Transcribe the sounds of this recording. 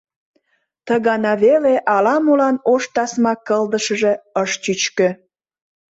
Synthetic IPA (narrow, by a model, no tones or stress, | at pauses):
t̪əɣɑnɑβeleʔɑlɑmulɑnoʃt̪ɑsmɑkəld̪əʃə̆ʒe̽əʃt͡ɕyt͡ɕkø̆